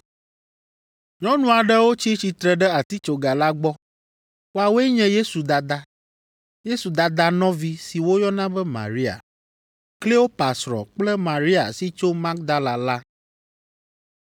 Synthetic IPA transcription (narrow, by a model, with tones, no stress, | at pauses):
ɲɔ̃˦nũ˨a˨ɖɛ˦wo˦t͡ɕi˦t͡ɕi˨t̪ɾɛ˨ɖɛ˦a˨t̪i˦t͡ʃo˨ɡa˨la˦ɡ͡bɔ˦ | wo˦a˨wo˦ɛ˦ɲɛ̃˦je˦su˨d̪a˨d̪a˦ | je˦su˨d̪a˨d̪a˦nɔ̃˦vi˦si˨wo˦jɔ˦nã˦bɛ˦mã̰˨ɾi˦a̰˨ | kle˦o˦pa˨sɾɔ̰̃˨k͡plɛ˦mã˨ɾi˦a̰˨si˦t͡ʃo˦ma˦k̚d̪a˦la˨la˦